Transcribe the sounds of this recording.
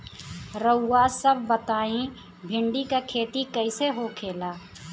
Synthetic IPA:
ɾəwːaːsəbʱbət̪aːĩ | bʱɪ̃ɳɖikakʰeːt̪ikəɪseɦokʰeːlaː

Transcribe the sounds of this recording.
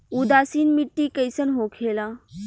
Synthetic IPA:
ud̪aːsiːnmiʈːikəjsənɦokʰeːlaː

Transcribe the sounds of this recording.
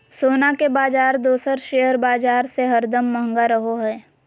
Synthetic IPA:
soːnakebaːd͡ʒaːɾd̪oːsəɾʃejəɾbaːd͡ʒaːɾseɦɐɾd̪əmːəɦə̃ŋɡaɾəɦoɦɛː

